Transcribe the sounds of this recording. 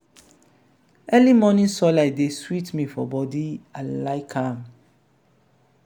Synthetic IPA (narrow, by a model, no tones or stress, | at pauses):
ɛlimɔnĩnsɔladeswitmĩfɔbɔdiãlaɪkʰãm